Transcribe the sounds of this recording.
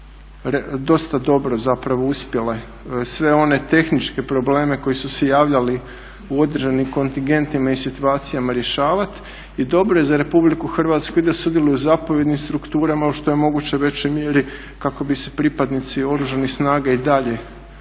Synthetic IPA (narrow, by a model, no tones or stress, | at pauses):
ɾd̪o̞st̪ad̪o̞bɾo̞zapɾaʋo̞uspjele | sʋe̞o̞ne̞t̪e̞xnit͡ʃke̞pɾo̞ble̞ːme̞ko̞jisusejaːʋʎali | uo̞d̪ɾ̩ʒanimko̞nt̪iŋɡe̞nt̪imaisit̪uaːt̪sijamaɾje̞ʃaːʋat̪ | id̪o̞bɾoje̞zaɾe̞publikuxr̩ʋat̪skuid̪asud̪jelujuzapoʋje̞d̪nimst̪ɾukt̪uːɾamauʃt̪o̞jemo̞ɡut͡ɕo̞jʋe̞t͡ɕojmjeɾi | kako̞bise̞̥pɾipad̪nit̪sio̞ɾuʒanixsnaːɡaid̪aʎe̞